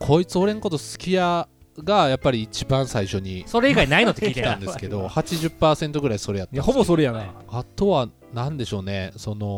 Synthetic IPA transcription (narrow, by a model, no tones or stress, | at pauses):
kʰo̞it͡sɨo̞ɾe̞nokot̪osɨ̥kʲija | ɡajapːaɾʲiːt͡ɕibãɰ̃saiɕo̞ɲ̟isoɾe̞iɡainaino̞t̪ːkiːt̪eãnd̪eɨ̥ke̞d̪o̞hat͡ɕiʑɨpːaːsẽ̞nt̪o̞ɡɯ̟ɾaiso̞ɾe̞jat̪ːhobosoɾejana | at̪o̞βa | nãnd̪e̞ɕo̞ːne̞so̞no̞